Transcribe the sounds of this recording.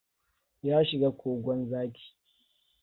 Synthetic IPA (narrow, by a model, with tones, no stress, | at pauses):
jaː˦ʃɪ˨ɡaː˦kʷoː˨ɡʷɔ˦nzaː˦kʲi̥ː˨